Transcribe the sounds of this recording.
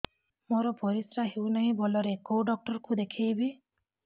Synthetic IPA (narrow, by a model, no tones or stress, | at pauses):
moɾɔpɔɾisɾaɦewnaɦĩbɔlɔɾekowɖɔk̚ʈɔɾkud̪ekʰijbi